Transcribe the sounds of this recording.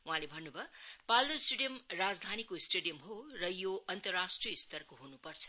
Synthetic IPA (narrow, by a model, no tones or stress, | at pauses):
wuɦãlebʱʌnːubʱʌpald̪oisʈeɖijʌmrad͡zd̪ʱanikoisʈeɽijʌmɦorʌjoʌnt̪ʌrasʈrijʌist̪ʌrkoɦunupʌrt͡sʰʌ̥